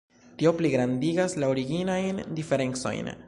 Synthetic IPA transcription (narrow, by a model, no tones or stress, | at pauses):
tio̞pliɡɾandiɡaslaoɾiɡinajndife̞ɾe̞nt͡so̞̰jn